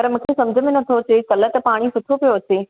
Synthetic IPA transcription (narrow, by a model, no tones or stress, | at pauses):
pɐɾmũkʰesɐ̃md͡ʑʱəmẽnɐt̪ʰoɐt͡ɕekɐlət̪paːɽ̃isʊt̪ʰopijoɐt͡ɕeː